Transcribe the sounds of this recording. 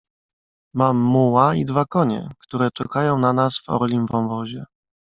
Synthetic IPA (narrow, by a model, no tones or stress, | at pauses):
mamːuwaid̪vakɔɲɛ̰kt̪uɾɛt͡ʂɛkajɔ̃w̃nanasvɔ̰ɾlʲimvɔ̃wvɔʑɛ